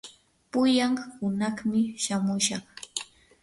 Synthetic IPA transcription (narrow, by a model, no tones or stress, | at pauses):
pʊjaŋhʊnɑχmɪʃamʊʃɑχ